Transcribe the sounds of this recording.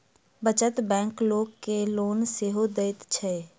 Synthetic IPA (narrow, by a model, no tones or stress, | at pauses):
bət͡ʃət̪bɛ̃ːŋkloːɡkeloːnseɦod̪eɪt̪t͡ʃʰɛː